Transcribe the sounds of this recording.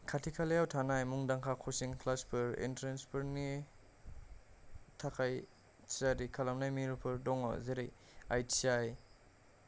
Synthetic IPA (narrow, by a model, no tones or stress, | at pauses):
kʰatʰikʰalejawtʰanajmuŋdaŋkʰakʰɔsiŋkʰlaspʰɯɾḭntɾenspʰɯɾni | tʰakʰaj | tzadikʰalamnajmiɾpʰɯɾdɔŋɔ̰zeɾej | ajtsiaj